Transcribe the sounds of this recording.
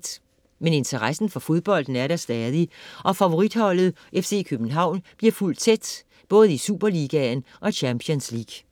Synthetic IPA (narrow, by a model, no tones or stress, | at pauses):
d̥ | mene̝nt͡sʰeʁasn̩fɒ̽fo̝ð̞ˠb̥ɒ̽l̰d̥n̩æɐɾ̥æsd̥ɛːðˠiʔɒ̽fæʋo̝ʁid̥hɒ̽l̰ð̞̩ˠ | ʔefse̝̰ːkʰøb̥n̩ɦɑ̈ʊ̰nb̥liɐful̰d̥̚t͡sʰed̥ | b̥ɔ̽ːð̞̩ˠisuːb̥ɐliɡ̥ænʔɒ̽iɕʰæmpʰiɔnslḭɡ̥